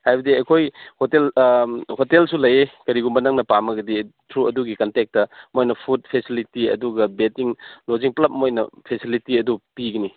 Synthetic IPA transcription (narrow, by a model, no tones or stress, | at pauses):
hajbɐdiɐkʰojhotelhotelsulɐjekɐɾiɡumbɐnɐŋnɐpamɐɡɐditʰɾuɐduɡikɐntek̚tɐmojnɐpʰut̚pʰesilitiɐ̰duɡɐbetiŋloziŋplɐp̚mojnɐ̰pʰesilitiɐdupiɡɐni